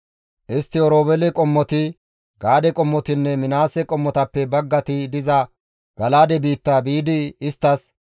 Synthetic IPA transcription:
ʔɪst̪ːɪɔɾoːbɛlɛkʼɔmːɔt̪ɪ | ɡaːd̪ɛkʼɔmːɔt̪ɪnːɛmɪnaːsɛkʼɔmːɔt̪ɐpːɛbɐɡːɐt̪ɪd̪ɪzɐ | ɡ̥ɐlaːd̪ɛbiːt̪ːabiːd̪ɪːst̪ːɐs

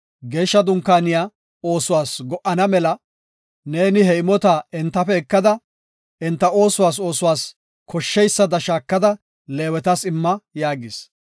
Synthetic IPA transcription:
ɡe̞ːʃːɐd̪ʊŋkːaːnɪjaː | o̞ːsʊwaːsɡɔʔɐnɐmɛlɐ | ne̞ːnɪhɛɪmɔt̪aɛnt̪ːɐfɛɛkːɐd̪ɐ | ɛnt̪ːɐo̞ːsʊwaːs̬o̞ːsʊwaːs | kʰɔʃːɛjsːɐd̪ɐʃaːkːɐd̪ɐ | leːwɛt̪ɐsɪmːɐjaːɡɪs

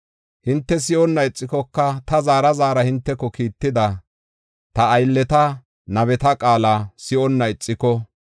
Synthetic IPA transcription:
hɪnt̪ːɛs̬ɪʔɔnːɐɪt͡sʼːɪkɔkːɐt̪ɐzaːɾɐzaːɾɐhɪnt̪ːɛkːɔkiːt̪ːɪd̪ɐ | t̪ɐːjlːɛt̪ɐ | nɐβɛt̪ɐkʼaːlɐsɪʔɔnːɐɪt͡sʼːɪkɔ

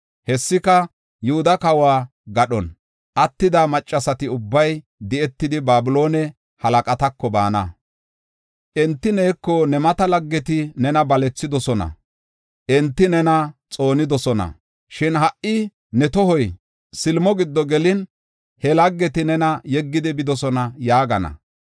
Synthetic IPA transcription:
hɛsːɪkɐ | jʊhʊd̪ɐkɐwaː | ɡɐɗɔn | ʔɐt̪ːɪd̪amɐt͡ʃʼːɐsɐt̪ɪʊbːɐj | d̪ɪʔɛt̪ːɪd̪ɪbaːbɪlo̞ːnɛ | hɐlɐkʼɐt̪ɐkːɔba̰ːnɐ̰ | ʔɛnt̪ːɪneːkːɔnɛmɐt̪ɐlɐɡːɛt̪ɪnɛnɐbɐlɛt͡sːɪd̪ɔsɔnɐ̰ | ʔɛnt̪ːɪnɛnɐt͡sʼo̞ːnɪd̪ɔsɔnɐ̰ | ʃɪnɦɐʔʔːɪ | nɛt̪ɔhɔj | sɪlmɔɡɪd̪ːɔɡɛlɪn | hɛlɐɡːɛt̪ɪnɛnɐjɛɡːɪd̪ɪbɪd̪ɔsɔnɐjaːɡɐnɐ̰

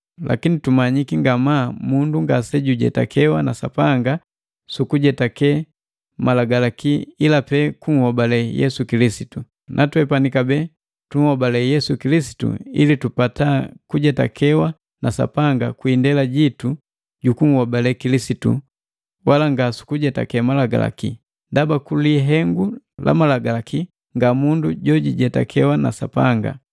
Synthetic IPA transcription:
lʔa̰kinitumaɲikiŋɡamamunduŋɡasɛɟuɟɛ̰ta̰kʰɛwana̰sa̰paŋɡa | sukuɟɛtakɛ | malaɡalakiilapɛkuŋ̩hɔbalɛjɛ̰sukilisitu | nʔatwɛpanikabɛ | tuŋhɔbalɛjɛsukilisi̥tṵḭlitupatakuɟɛta̰kʰɛwa | nasa̰paŋɡakwindɛlaɟitu | ɟukuŋ̩hɔbalɛkilisitṵ | walaŋɡasu̥kuɟɛta̰kɛmalaɡa̰la̰kḭ | ndabakuliɦɛŋɡu | lʔa̰malaɡalakʰi | ŋɡamunduɟɔɟiɟɛta̰kʰɛwana̰sa̰paŋɡa̰

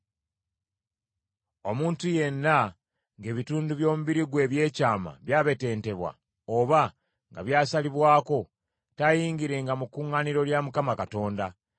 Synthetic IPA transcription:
o̞muːntuje̞nːa | ŋɡe̞ːβituːnduβjo̞ːmuβiɾiɡwe̞ːβje̞ːcaːma̰βjaːβe̞te̞ːnte̞βwa̰ | oβa | ŋɡa̰βjaːsaliβwaːko̞ | tajiːŋɡiɾe̞ŋɡamukuːŋːaniɾo̞ljamukamakato̞ːnda

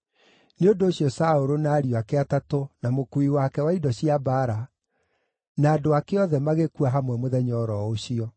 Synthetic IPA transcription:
neondoːɕijɔsaoɾonaːɾioakeatatonamokuiwakɛwaidɔɕiabaɾa | naːdoakeɔðɛmaɣekuaɦamwɛmoðɛɲɔɾɔoɕiɔ

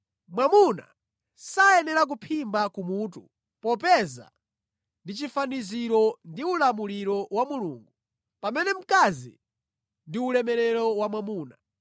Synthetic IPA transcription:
mwamuna̰ | sajɛnɛɾak̬upʰimbakumutṵ | pɔpɛza̰ | ndit͡ʃifaniziɾɔndiulamuliɾɔwamulṵːŋɡu | pamɛnɛm̩kazḭ | ndiulɛmɛɾɛɾɔwamwamuːna

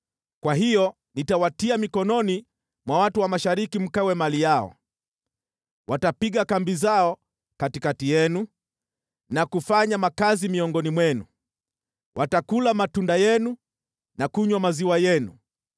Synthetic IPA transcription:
kwaɦijɔ | nitawatiamikɔnɔni | mwawatuwamaʃaɾikim̩kawɛmalijaɔ̰ | wʔatapiɠakambizaɔ | katikatijɛnu | nakufaɲamakazimiɔŋɡɔnimwɛnṵ | wʔatakulamatundajɛnu | nakuɲwamaziwajɛnṵ

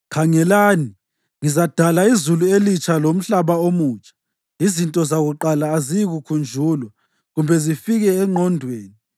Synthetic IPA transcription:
kʰaŋɛlaːni | ŋizad̥ʱalaizuluelit͡ʃʰalom̩ɬaβaomuːt͡ʃʼḁ | izintʼɔzaɣuǃalaːziɣukʰund͡ʒʱuːlwɛ | ɣumbʱɛzifiɣɛːŋ͡ǃʱɔndʱweːni

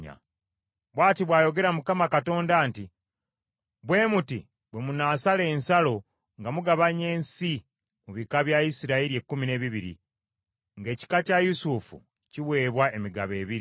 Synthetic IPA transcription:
a̰ | βwaːtiβwaːjo̞ɡe̞ɾamukamakato̞ːndaːnti | βwe̞ːmutḭ | bwe̞munaːsale̞ːnsalo̞ | ŋɡamuɡaβaɲe̞ːnsi | muβikaβjaisiɾaiɾiekːumine̞βiβiɾḭ | ŋɡe̞ːci̥kacajusufṵ | ciwe̞ːβwae̞miɡaβe̞ːβiɾ

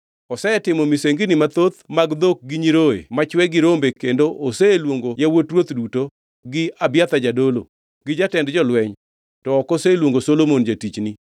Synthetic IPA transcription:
ɔsɛtɪmɔmiseŋɡinɪmat̪ot̪maɡd̪ok̚ɡɪɲiɾoḛmat͡ʃwɛɡɪɾombekendoʔoselwoŋɡojawotɾwot̪duto | ɡɪabjat̪ad͡ʒadolo̰ | ɡ̥ɪd͡ʒatɛndd͡ʒɔlwɛɲ | tɔːkɔselwoŋɡosolomond͡ʒatit͡ʃni

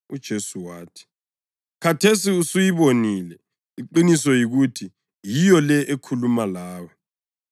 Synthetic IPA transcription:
ud̥ʒ̥ʱesuwaːtʰi̥ | kʰatʰesiusujiβonilɛ | iǃinisɔjiɣutʰi | jijɔlɛʔekʰulumalaːwɔ

